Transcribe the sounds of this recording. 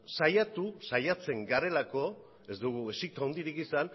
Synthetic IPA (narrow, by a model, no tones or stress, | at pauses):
sajat̪usajat͡se̞ŋɡaɾe̞lako̞ | e̞zd̪uɣue̞sik̚t̪aond̪iɾikisan